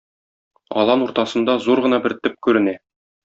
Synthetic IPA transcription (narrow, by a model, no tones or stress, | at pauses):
ɒ̰lˠɑnuɾt̪ɑsɤ̆nd̪ɑzuɾʁɤ̆nɑbɘɾt̪ɘp̚kʉɾɘ̆næ